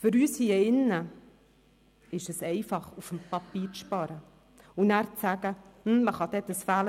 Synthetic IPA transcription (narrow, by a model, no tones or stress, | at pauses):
fʏɾyːshiəɪnːə | ɪʃɛsɛɪfɑχufm̩pɑpiːɾt͡sʃpɑɾə | unæːɾt͡sæɡ̥əm̩məχɑd̥̪ɛt̪əsfæːlə